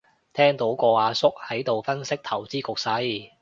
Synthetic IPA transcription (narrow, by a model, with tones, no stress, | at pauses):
t̪ʰɛː˥ŋt̪o˨˥wkɔː˧aː˨˧sʊ˥k̚hɐ˨˥jt̪o˨wfɐ˥nsɪ˥k̚t̪ʰɐ˨˩wt͡siː˥kʊ˨k̚sɐ˧˥j